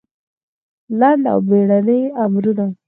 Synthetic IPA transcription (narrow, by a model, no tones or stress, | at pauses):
land̪a̰wbeɽanəjamɾuna